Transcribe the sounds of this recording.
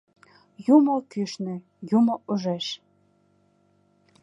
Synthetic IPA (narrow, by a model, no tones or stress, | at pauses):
jumokyʃnĕ | jumoʔuʒeʃ